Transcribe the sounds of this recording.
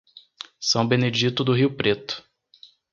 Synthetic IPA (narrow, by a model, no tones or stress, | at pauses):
sɐ̃w̃bened͡ʒit̪ʊd̪ʊɦiwpɾet̪ʊ̥